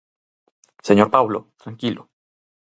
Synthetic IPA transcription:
seɲoɾpawlot̪ɾaŋkilo

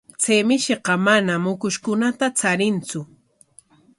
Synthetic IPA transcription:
t͡sejmɪʃeqɑmanamːʊkʊʃkʊnat̪at͡saɾɪnt͡sʊ

